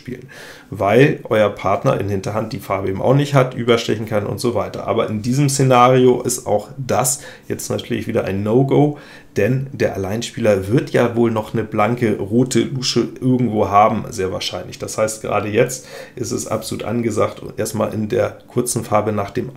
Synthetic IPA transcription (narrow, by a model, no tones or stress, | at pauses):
pḭːlən | vaɪlʔɔʏɐpʰaɐtnɐ̰ʔɪ̰nhɪntɐɦant̚d̥iːfaɐbəʔeːbm̩ʔa̰ʊxnɪçthatʔyːbɐʃtɛçn̩kʰanʔʊ̰ntz̥oːvaɪtɐ̰ʔa̰ːbɐʔɪndiːzəmsenaːʁioʔɪsta̰ʊxd̥as | jɛt͡stnatʰyːɐlɪçv̥iːɾɐʔa̰ɪnːoʊɡoʊ | d̥ɛndeːɐʔalaɪnʃpiːlɐvɪɐtʰjaːvoːlnɔχnəblaŋkəʁoːtʰəluːʃəʔɪɐɡŋ̩tv̥oːɦaːbm̩zeːɐva̰ːɐʃaɪnlɪçd̥ashaɪst̚ɡ̥əʁa̰ːdəjɛt͡stʔɪstɛsʔa̰pz̥oluːtʔa̰nɡəzaːktʔeːɐstma̰ːlʔɪndeːɐkʰʊɐt͡sn̩faɐbənaːχd̥eːm